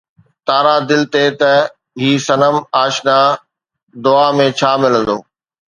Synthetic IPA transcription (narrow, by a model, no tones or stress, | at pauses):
t̪aːɾad̪ɪlt̪et̪ɐ | ɦiːsɐnəmaːʃna | d̪ʊaːmẽt͡ɕʰaːmɪlə̃nd̪oː